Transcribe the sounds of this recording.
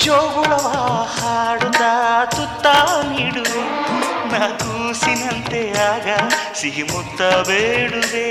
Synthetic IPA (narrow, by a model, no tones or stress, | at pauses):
t͡ʃoːʋuɭɐʋahaːɽut̪ːɐt̪ut̪ːaniːɽu | nɐd̪usinɐnt̪eaːɡɐsiɦimut̪ːɐbeːɽud̪e